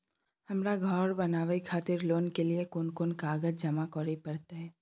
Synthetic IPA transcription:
hɐmɾaɡʱɔːɾbɐnaːʋəikʰaːt̪ɪɾloːnkeliekʊnkʊnkaːɡəd͡ʒd͡ʒɐmakɔːɾepɐɾt̪aɦɛː

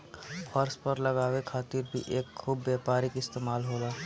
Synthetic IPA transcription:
fʰɔːɾspəɾləɡaːwekʰaːt̪ɪɾbʱḭʔeːkʰuːbːjaːpaːɾɪkɪst̪eːmaːlɦoːlaː

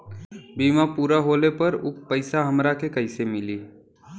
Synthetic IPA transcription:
biːmapuːɾaɦoːlepɐɾʊkpəɪsaɦɐmɾakekɐɪsemɪliː

